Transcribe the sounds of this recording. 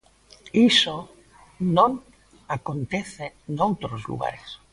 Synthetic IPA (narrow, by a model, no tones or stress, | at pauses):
iso | nõn | akont̪eθenowt̪ɾozlṵɣ̞a̰ɾes